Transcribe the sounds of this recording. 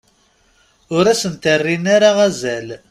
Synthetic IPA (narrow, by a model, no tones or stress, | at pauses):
ʊɾæsənt̪ərːinaɾaʁæzæl